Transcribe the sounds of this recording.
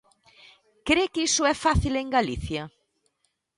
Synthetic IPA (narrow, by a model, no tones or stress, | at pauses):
kɾekisʊɛfaθileŋɡaliθja